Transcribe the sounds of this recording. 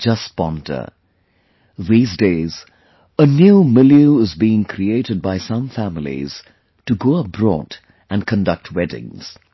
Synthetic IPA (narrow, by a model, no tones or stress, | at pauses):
d͡ʒʌspɑ̃ntʰə̰˞ | ðiːzdeɪz | ənjuːmɪljuɪzbiɪ̃ŋkʰɾieɪɾɨd̚baɪsʌ̃ɱfæmɪlḭz̥ | tɨɡoːʌb̥ɹɔ̰ːd | ɨ̃nkʰə̃ndʌk̚tʰwɛdɪ̰̃ŋz̥